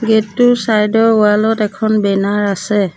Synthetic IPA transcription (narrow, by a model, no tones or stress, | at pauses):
ɡetʊsajdɔɹualɔtɛkʰɔnbɛnaɹasɛ